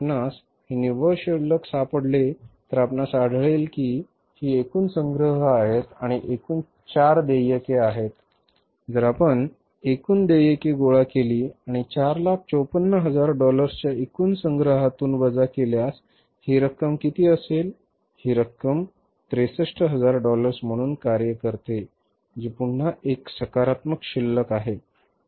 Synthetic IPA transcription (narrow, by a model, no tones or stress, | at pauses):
pnas | ɦiniʋəɾɕəɾləksapəɽlet̪əɾapnasaɽʱɭelkiː | hiːekuːnsə̃ŋɡɾəɦəaɦet̪aɽ̃iʔekuːn | t͡ɕaɾd̪ejəkeaɦet̪̚ | d͡zəɾapəɳ | ekuːnd̪ejekeɡoɭakeliːaɽ̃it͡ɕaɾlak̚ʰt͡ɕəwpənːəɦəd͡zaɾɖɔləɾst͡ɕjaekuːnsəŋɡɾəɦat̪uːnbəd͡zakeljas | hiɾəkːəmkit̪iːəsel | hiːɾəkːəm | t̪ɾesəʂʈəɦəd͡zaɾɖɔləɾsm̤əɽ̃uːnkaɾjəkəɾt̪e | d͡ʑipuɳn̤aʔeksəkaɾat̪məkɕilːəkaɦe